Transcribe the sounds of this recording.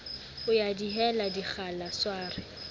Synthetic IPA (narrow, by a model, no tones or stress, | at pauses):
ʊjadiɦɛladiχʰalaswaːrɪ